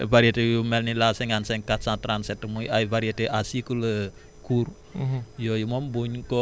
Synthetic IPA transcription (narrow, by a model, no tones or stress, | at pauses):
baɾiad̪ejumɛlnilasɛŋansɛŋkasat̪ɾansɛt̪əmuiʔaibaɾiad̪eʔasikulə | ɡ̥ur | jɔjəmɔmboɲkɔ